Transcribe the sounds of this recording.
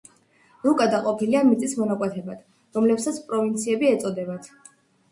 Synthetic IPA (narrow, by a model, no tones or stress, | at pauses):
lukʼad̪aqʼɔpʰiliamit̪sʼismɔnakʼwɛt̪ʰɛbat̪ʰ | ɾɔmlɛpsat̪sʰpʼɾɔvint̪sʰiɛbiɛt̪sʼɔd̪ɛbat̪ʰ